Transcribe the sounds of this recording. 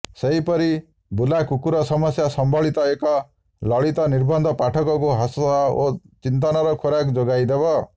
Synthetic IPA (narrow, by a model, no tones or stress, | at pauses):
seɦipɔɾi | bulakukuɾɔsɔmɔsjasɔmbʱɔɭit̪ɔekɔ | lɔɭit̪ɔniɾbɔnd̪ʱɔpaʈʰɔkɔkuɦasɔot͡ʃint̪̬ɔnɔɾɔkʰoɾakd͡ʒoɡajd̪ebɔ